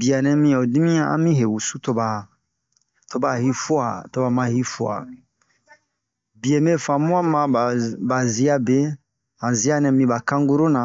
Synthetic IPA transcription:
bi˨a˨nɛ̃˦mĩ˦ɔ˨di˦mĩ˦ã˦ã̰˦mĩ˦ɦe˨wu˨su˦to˦ba˨ | to˦ba˨hi˦fu˦a˨to˦ba˨mã˦hi˦fu˦a̰˨ | bi˨e˨me˦fã˨mũ˦ã˦mã˦˨ba˨zi˦a˦be˦ | hã˨zi˦a˦nɛ̃˨mĩ˦ba˨kã˦ŋɡu˦ɾo˦nã˨

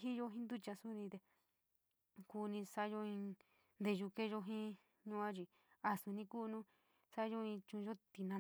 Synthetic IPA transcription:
ɦi˦jo˦ɦĩ˦nd̪u˦t͡ʃa˧su˦nĩ˧t̪e˧ | ku˧nĩ˧sa˦jo˦ĩ˧ | nd̪e˧˨ʒu˧ke˦ʒo˧ɦĩ˦ | ɲũ˧ã˦t͡ʃi˧ | a˧sũ˧nĩ˧ku˦˧nũ˦ | sa˦jo˦ĩ˧t͡ʃũ˧ʒo˦t̪i˧nã˧

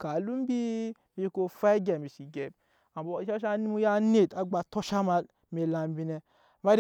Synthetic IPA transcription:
ka˨lu˦m˦bi˦ | mi˦i˦ko˧fa˦i˦ɡa˨mi˨si˨ɡɛ˨b̚ | a˨bo˨˦ʃa˦ʃ̬a˦ni˦mu˦ja˦ne˦˨ta˨ɡ͡ba˨to˦ʃa˦ma˧lme˨la˨m˦bi˧nɛ˨ | ma˦ɾ

